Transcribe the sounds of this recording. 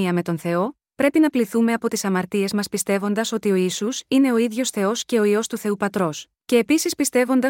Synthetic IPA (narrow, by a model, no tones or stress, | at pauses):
iɐme̞t̪o̞nθe̞o̞ | pɾe̞pinɐpliθume̞ɐpo̞t̪isɐmɐɾt̪ie̞zmɐspist̪e̞vo̞nd̪ɐso̞t̪io̞isusine̞o̞iðʝo̞sθe̞o̞sce̞o̞io̞st̪uθe̞upɐt̪ɾo̞s | ce̞ːpisispist̪e̞vo̞nd̪ɐ